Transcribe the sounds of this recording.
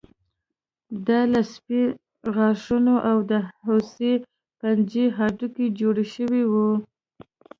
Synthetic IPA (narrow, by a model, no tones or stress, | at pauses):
d̪ɑlaspi | ɣɑʂunoʔawd̪əɦose | pand͡ʒeɦɑʈuked͡ʒoɽeʃəwiwu